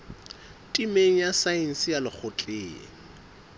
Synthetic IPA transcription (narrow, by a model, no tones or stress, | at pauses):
tʼimeŋ̩jasaɛn̩sijalɪk͡xʰʊt͡ɬʼeːŋɪ̰